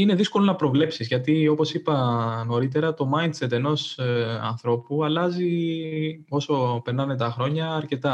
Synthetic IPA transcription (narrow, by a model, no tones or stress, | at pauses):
ine̞ðisko̞lo̞nɐpɾo̞vle̞psizʝɐt̪io̞po̞sipɐno̞ɾit̪̬e̞ɾɐt̪o̞mɐjnd̪se̞t̪e̞no̞sɐ̰nθɾo̞puɐlɐzi | o̞so̞peɾnɐne̞t̪ɐxɾo̞ɲɐːɾce̞t̪ɐ